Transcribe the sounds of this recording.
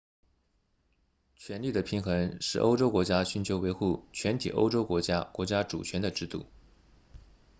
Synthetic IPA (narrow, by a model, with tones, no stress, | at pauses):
t͡ɕʰɥɛ˧˥nli˥˩d̪ə˩pʰi˧˥ŋxə˧˥ŋʂɻ̩̰˥˩ʔo̰˥ʊʈ͡ʂo˥ʊkwɔ˧˥t͡ɕja˥ɕy˧˥nt͡ɕʰjo˧˥ʊwe˧˥ɪxu˥˩t͡ɕʰɥɛ˧˥nt̪ʰi˨˩ʔo̰˥ʊʈ͡ʂo˥ʊkwɔ˧˥t͡ɕja˥kwɔ˧˥t͡ɕja˥ʈ͡ʂṵ˨˩t͡ɕʰɥɛ˧˥nd̪ə˧ʈ͡ʂɻ̩˥˧t̪ṵ˥˩